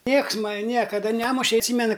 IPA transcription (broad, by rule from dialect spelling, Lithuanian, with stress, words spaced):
ˈnʲiɛks ˈmɑːnʲɪ ˈnʲiɛkɐdɐ ˈnʲæːmʊʃʲɛ ɐtʲˈsʲiːmʲɛnʊ